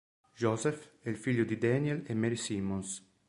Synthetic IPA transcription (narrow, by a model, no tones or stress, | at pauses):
d͡ʒɔzɛfɛlfiʎːʊd̪id̪ɛnjɛlemːɛɾisiːmons